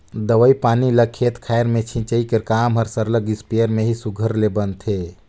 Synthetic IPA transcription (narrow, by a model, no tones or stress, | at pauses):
d̪əʋəipaːniləkʰːet̪kʰajɾmẽt͡ʃʰĩnt͡ʃəikəɾkaːmɦəɾsəɾləɡɪspijəɾmeɦisuɡʱəɾlebənt̪ʰe